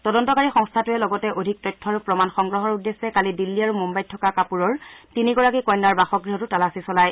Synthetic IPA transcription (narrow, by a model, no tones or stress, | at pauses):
tɔdɔntɔkaɹixɔŋstʰatuɛlɔɡɔtɛʔodʱik̚tɔtʰːɔaɹupɹɔmanxɔŋɡɹɔɦɔɹudːesːɛkalidilːiaɹumumbajtʰːɔkakapuɹɔɹtiniɡɔɹakikɔjnːaɹbaxɔkɡɹiɦɔtutalasisɔlaj